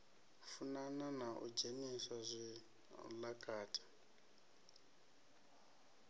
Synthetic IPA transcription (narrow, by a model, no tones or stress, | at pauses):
funananaʔṵd͡ʒenisazʷi | lakʼaːtʼḁ